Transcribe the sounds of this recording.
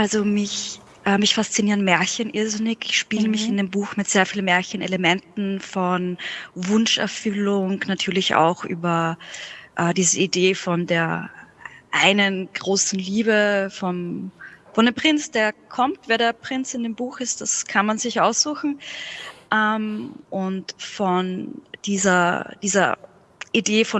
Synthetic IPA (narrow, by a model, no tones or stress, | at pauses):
ʔalzomɪç | ʔɛːmɪçfast͡siniːʁənmɛːɐçənʔɪɐzɪnɪkɪçʃpiːləmɪçɪndeːmbuːxmɪtz̥eːɐfiːlənmeːɐçənḛləmɛntn̩fɔnvʊnʃɛ̰ɐfʏlʊŋnatʰyːɐlɪça̰ʊxʔy̰ːbɐ | ʔɛːdiːzəideːfɔndeːɐ | ʔaɪnənɡ̥ʁoːsn̩liːbəfɔnfɔndeːmpʁ̥ɪnt͡sd̥eːɐkʰɔmtveːɐɾeːɐpʁ̥ɪnt͡sɪndeːmbuːxɪst̚d̥askʰanmanzɪçʔaʊsz̥uːxn̩ | ʔɛmʔʊntfɔnd̥iːzɐd̥iːzɐ̰ | ʔideːfɔ